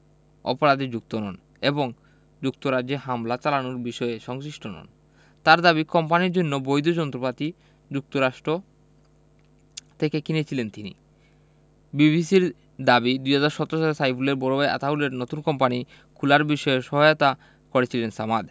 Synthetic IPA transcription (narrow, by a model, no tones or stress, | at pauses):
ɔ̰poɾad̪ed͡ʑuk̚t̪onɔn | eboŋ | d͡ʑuk̚t̪oɾad͡ʑeɦamlat͡ɕalanoɾbiʃɔeʃɔŋsiʃʈonɔ̰n | t̪aɾd̪aβikɔmpaniɾd͡ʑonːobojd̪od͡ʑɔnt̪ɾopat̪i | d͡ʑuk̚t̪oɾaʃʈɾo | t̪ʰekekinet͡ɕʰilent̪inḭ | biβisiɾ | d̪abid̪uɦad͡ʑaɾʃɔt̪ːɾoʃalesajpʰuleɾbɔɾobaja̰t̪aɦuleɾnot̪unkɔmpani | kʰulaɾbiʃɔeʃɔɦajot̪a | koɾet͡ɕʰilensamad̪